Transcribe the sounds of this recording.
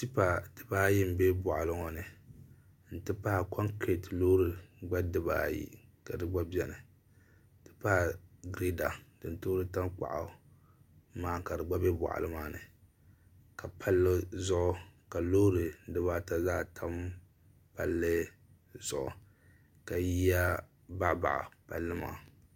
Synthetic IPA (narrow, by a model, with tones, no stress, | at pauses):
si˦pa˨tɨ˨baː˦ji˦m̩˨be˦bɔ˨ʔa˨lɨ˦ŋɔ˨nɨ˨ | n̩˦tɨ˦pa˦hkʰɔ˦ŋkɾi˨tlo˦ɾɨ˨ɡ͡ba˦dɨ˦ba̰ː˨jḭ˦ka˨dɨ˦ɡ͡ba˦bɛ˨nɨ˨ | tɨ̥˦pa˦˨ɡɾi˦da˨dɨ˨ntoː˦ɾɨ˦ta˦mk͡pa̰˨ʔa̰˨ | maː˨ka˨dɨ˨ɡ͡ba˦bɛ˦ba̰˨ʔa̰˨lɨ˦maː˨˦nɨ˨ | ka˨pʰa˦lːɨ˦zʊ˦ʔʊ˦ka˨lo˦ɾɨ˨dɨ˦ba˦ta˨zaː˦tʰa˦m | pa˨lːɨ˦ | zʊ˨ʔʊ̰˨ | ka˨ji˦ja˦ | ba˦˨ba̰˨ʔa̰˨pa̰˨lːɨ˦ma̰ː˨